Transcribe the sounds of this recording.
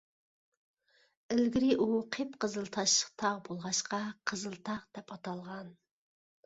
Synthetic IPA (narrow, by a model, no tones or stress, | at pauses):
ɪlɡʲiɾɪʔuqʰepqʰəzɨlˠt̪ʰɑʃəqt̪ʰɑʁbolˠʁɑʃqɑqʰəzɨlˠt̪ʰɑʁd̪̥ɛpɑt̪ʰɑlˠʁɑn